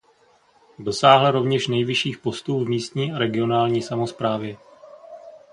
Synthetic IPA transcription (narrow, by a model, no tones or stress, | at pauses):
dosaːɦlɛɾo̞vɲɛʃnɛjvɪʃiːxpo̞st̪uːvmiːst̪ɲiːaɾɛɡɪo̞naːlɲiːsamo̞spɾaːvjɛ